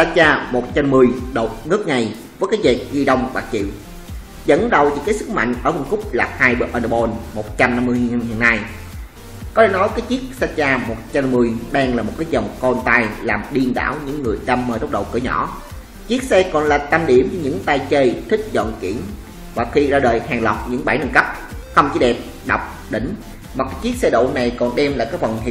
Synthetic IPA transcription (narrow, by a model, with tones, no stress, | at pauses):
saː˧˥t̚t͡ɕaː˧mo˨˩t̚t͡ɕa˧mːɨ˨˩əjɗo˨˩t̚nɨ˦˥ək̚ŋa˨˩j | vəː˨˦jkaː˨˦jvɛ˨˩t̚ɣi˧ɗə˧wŋ͡mɓa̰ː˨˩k̚t͡ɕḭ˧˨w | zə̰˧˥nɗə˨˩wḭ˧˦kaː˨˦jsɨ˦˥k̚ma̰˧˨ŋ̟ʔəː˧˩˦ɓa˧nkʊ˦˥k͡p̚laː˨˩p̚haː˧jɓɨ˨˩ʔəː˧nə˧ɓo˧nmo˨˩t̚t͡ɕa˧mna˧mːɨ˧əjhḭ˧˨ənːa˧j | kɔ˨˦˥e˧˩˦nɔ˨˦jkaː˨˦jt͡ɕi˦˥ək̚saː˧˥t̚t͡ɕaː˧mo˨˩t̚t͡ɕa˧mɨ˨˧˩əjɗaː˧ŋlaː˨˩mo˨˩t̚kaː˨˦jzə˨˩wŋ͡mkɔ˧nt̪aː˧jlaː˨˩mɗi˧ənɗa̰ː˧˩wɲɨ̰˧˥ŋːɨ˨˩əjɗ̪a˧mːəː˧jtə˦˥k͡p̚ɗə̰˧˨˩wkɨ̰˧˩˦ɲɔ̰˧˥˦ | t͡ɕi˦˥ək̚sɛ˧kɔ˨˩nlaː˨˩t̪a˧mɗi˧˩əmvɨ˧˦ɲɨ̰˧˥ŋt̪aː˧jt͡ɕə˧jt̪ʰï˦˥k̟̚zɔ̰˧˨nkḭ˧˩ən | vwa˨˩k̚xi˧zaː˧ɗəː˨˩jhaː˨˩ŋlə˨˩wk͡p̚ɲɨ̰˧˥ŋɓa˧˩jnə˨˧˩nkə˦˥p̚xə˧wŋ͡mt͡ɕi˧˨˦ɗɛ˨˩p̚ | ɗa˨˩wk͡p̚ | ɗï˧˩ŋ̟ | va˨˩kaː˨˦jt͡ɕi˦˥ək̚sɛ˧ɗo̰˧˨na˨˩jkɔ˨˩nɗɛ˧mlaː˨˩kaː˦˥k̚fə˨˩ŋ͡mɦḭ˧˦